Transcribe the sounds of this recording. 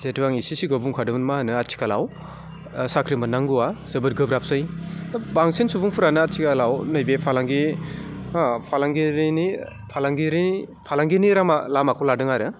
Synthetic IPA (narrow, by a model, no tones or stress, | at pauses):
zetuwaŋisisiɡɯbuŋkʰadɯmnmanɯat͡ʃʰi̥kʰalaw | sakʰɾimɯnːaŋɡuwazɯbɯt̚ɡɯbɾap̚ʰsɯjtabaŋsinsubuŋpʰuɾanɯatsʰikalawnɯjbepʰalaŋɡi | pʰalaŋɡiɾini | pʰalaŋɡiɾipʰalaŋɡiniɾamalamakʰɔladɯŋaɾɯ